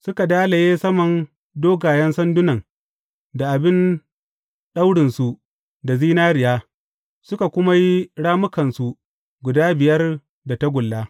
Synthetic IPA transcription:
sʊ˦ka˨daː˦la˨jeː˦sɐ˦mɐ˨n | doː˦ɡaː˨jɐ˦nsɐ˦ndʊ˦nɐ˨ŋ | da˨ʔa˨bɪ˦n | ɗa˦wɽɪ˨nsu˨ | da˨ziː˦naː˦ɽɪ˨jaː˦ | sʊ˦ka˨kʷʊ˦ma˦ji˦ɽaː˦mʊ˦kɐ˨nsu˨ | ɡʷʊ˨daː˦bɪ˨jɐ˦r | da˨ta˦ɡʷʊ˨lːaː˦

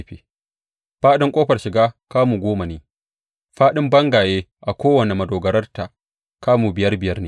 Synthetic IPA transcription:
ɸḛː˨ | ɸaː˦ɗɪ˦ŋkʷʼoː˦ɸɐ˨rʃɪ˨ɡaː˦kaː˦muː˨ɡʷoː˦ma˨neː˨ | ɸaː˦ɗɪ˦mbɐ˦ŋɡaː˨jeː˦ʔa˨kʷoː˦wɐ˨ne˨mɐ˨doː˨ɡɐ˨ɾɐ˦rta˨ | kaː˦muː˨bɪ˨jɐ˦rbɪ˨jɐ˦rneː˨

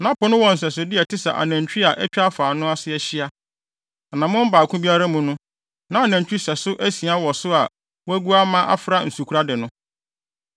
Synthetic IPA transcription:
nã˦pʊ˨nʊ̃˦wɔ̃˨n̩˨s̬ɛ˨s̬ɪ˨dɪ˦ɛ˨tʰɪ˦sa̰˨ʔa̰˨næ̃˨ɲ˨t͡ɕᶣi˦a˨ʔɛ˦t͡ɕᶣa˦faː˨nʊ̃˦a˦sɪ˦ɛ˨ɕi˦a˦ | a˨nã˨mʊ̃˦m˦baː˨kʰʊ̃˦bi˦a˦ɾa˦mũ˨nʊ̃˦ | nã˨˦a˨næ̃˨ɲ˨t͡ɕᶣi˦sɛ˨sʊ˦ʔæ˦si˨a˦wɔ˨sʊ˦a˨ | wæ˦ɡu˦a˦mã˦ʔa̰˦fɾa˦n̩˨su˨kʰu˨ɾa˦dɪ˨nʊ̃˦

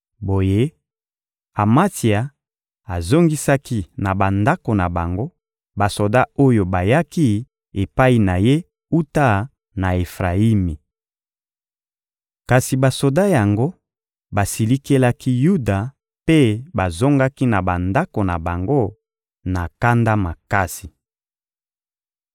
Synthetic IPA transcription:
bo˨je˦ | a˨ma˦ti˨a˨ | a˨zo˦ŋɡi˦sa˦ki˦na˨ba˨nda˦ko˨na˨ba˨ŋɡo˦ | ba˨so˨da˦o˦jo˨ba˨ja˦ki˦ | e˨pa˦i˨na˨je˦ | u˦ta˦ | na˨e˨fʁa˨i˦mi˨ | ka˨si˨ba˨so˨da˦ja˨ŋɡo˦ | ba˨si˨li˦ke˦la˦ki˦ju˦da˨ | pe˦ba˨zo˦ŋɡa˦ki˦na˨ba˨nda˦ko˨na˨ba˨ŋɡo˦ | na˨ka˦nda˦ma˨ka˦si˨

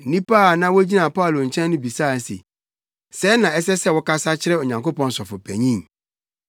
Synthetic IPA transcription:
nĩ˦paː˦˨nã˦wɔ˦d͡ʑi˦nã˨pa˦˨lo˨ɲ̩˨t͡ɕʰɛ̃˦n˦nʊ̃˦bi˨sa˦˨sḛ˨ | sɛ˨˦nã˨ɛ˦sɛ˦sɛ˦wɔ˦ka˦sa˦t͡ɕʰɪ˦ɾɛ˦o˨ɲã˨ŋko˦pɔ̃˦n˦sɔ˨fʊ˨pʰæ˨ɲĩ˦˨ŋ

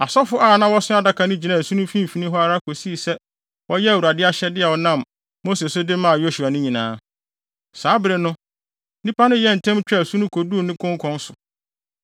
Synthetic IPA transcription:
a˨sɔ˦fʊ˦ʔaː˦˨nã˦wɔ˦sɪ˦a˦˨da˨kʰa˨nʊ̃˦d͡ʑi˨nã˨sũ˦nʊ̃˦fĩ˦m˨fi˨nĩ˦ɦɔ˦a˦ɾa˦kʰo˨si˦˨sɛ˦ | wɔ˦jɛ˦a˨wu˨ɾa˨dɪ˦a˦ɕɛ˦dɪ˦ɛ˨wɔ˨nã˦˨m | mo˦se˨sʊ˦dɪ˦mã˦˨jo˦su˨a˨nʊ̃˦ɲĩ˨nãː˦ | saː˨˦bɪ˨ɾɪ˨nʊ̃˦ | nĩ˦pʰa˦nʊ̃˦jɛ˦n̩˨tʰɛ̃˦mt͡ɕᶣːsu˦nʊ̃˦kʰo˨du˦˨nɪ̃˦kʰʊ̃˦ŋ˦kʰɔ̃˦n˦sʊ˨

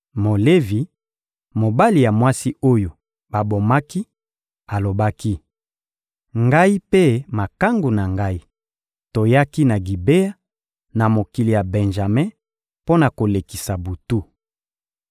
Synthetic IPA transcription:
mo˨le˦vi˨ | mo˨ba˦li˨ja˨mwa˦si˦o˦jo˨ | ba˨bo˨ma˦ki˦ | a˨lo˨ba˦ki˦ | ŋɡa˦i˦pe˦ma˨ka˦ŋɡu˨na˨ŋɡa˦i˦ | to˨ja˦ki˦na˨ɡi˨be˦ja˦ | na˨mo˨ki˨li˨ja˨bɛ̃˨nʒa˨mɛ̃˦ | po˦na˨ko˨le˨ki˨sa˨bu˨tu˦

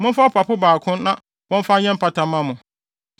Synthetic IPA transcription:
mʊ̃˦n̩˦fa˦pʰa˨pʰʊ˦baː˨kʰʊ̃˦nːã˦ | wɔ̃˦m˦fa˦ɲɛ̃˦m̩˦pʰa˨tʰã˨mã˦mʊ̃˨

